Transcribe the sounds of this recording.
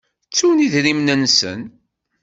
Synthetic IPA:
t͡sːuniðɾimnənsə̰n

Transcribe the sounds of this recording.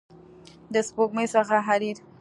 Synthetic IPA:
d̪əspoɡ̚məjsəxaɦaɾiɾ

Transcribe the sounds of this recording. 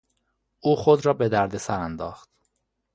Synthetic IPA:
ʔuːxod̪ɾɒːbe̞d̪æɾd̪esæɾænd̪ɒːxt̪

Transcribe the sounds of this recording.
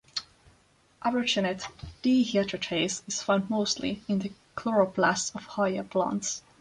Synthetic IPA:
ʔavə˞t͡ʃənɨtd̥ihiatʰɹət͡ʃʰeɪsɪz̥fãʊ̃nd̚moʊstlḭɪ̃nðɨkʰlɔɹəblæsɔv̥haɪə˞pʰlɑ̰̃ˑnts

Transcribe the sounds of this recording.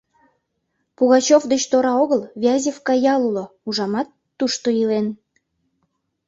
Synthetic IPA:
puɣɑt͡ɕofd̪et͡ɕt̪oɾɑoɣəlβʲeɑzʲefkɑjɑlulouʒɑmɑt̪ːuʃt̪oilen

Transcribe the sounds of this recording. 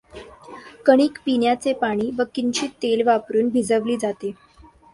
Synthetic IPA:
kəɽ̃iːkpinjat͡sepaɽ̃iːʋəkint͡ɕiːt̪elʋapɾuːnbʱid͡zəʋliːd͡zat̪e

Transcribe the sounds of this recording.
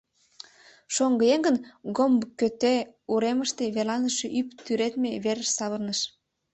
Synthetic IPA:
ʃoŋɡəjeŋɡə̆nɡombkːøt̪euɾeməʃt̪e̽βelɑnəʃeʔypt̪yɾet̪meβeɾəʃsɑβərnəʃ

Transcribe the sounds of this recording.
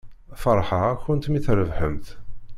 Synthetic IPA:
fəɾˤħəʁçʊnt̪miθɾəvħə̰mt̪

